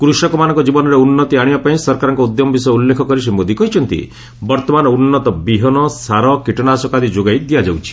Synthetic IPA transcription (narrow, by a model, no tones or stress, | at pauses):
kɾusɔkɔmanɔ̃ŋkɔd͡ʒibɔnɔɾeunːɔt̪iaɽ̃ibapaĩsɔɾkaɾɔŋkɔud̪jɔmɔbisɔjulːekʰɔkɔɾis̬imbod̪ikɔɦit͡ʃʰɔnt̪ḭ | bɔɾt̪ɔmanɔunːɔt̪ɔbiɦɔnɔsaɾɔkiʈɔnasɔkad̪id͡ʒoɡajd̪ijad͡ʒawt͡ʃʰi̥